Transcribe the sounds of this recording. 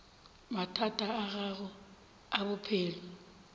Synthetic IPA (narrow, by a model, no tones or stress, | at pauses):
matʰatʼaːɣaɣʊ | aβʊpʰeːlɔ